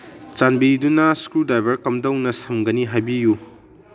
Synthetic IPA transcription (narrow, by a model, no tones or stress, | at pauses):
t͡ʃanbidunɐskudajbɐɾkɐmdɐwnɐsɐmɡɐniɦajbiju